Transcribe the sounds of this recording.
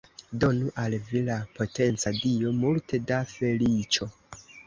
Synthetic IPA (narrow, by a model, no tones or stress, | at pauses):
do̞nuʔalvilapʰo̞te̞nt͡sadio̞multe̞dafe̞lit͡ʃo̞